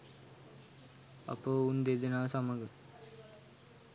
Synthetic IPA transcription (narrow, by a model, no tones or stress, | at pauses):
a̰pəund̪ed̪ənaːsaməɡə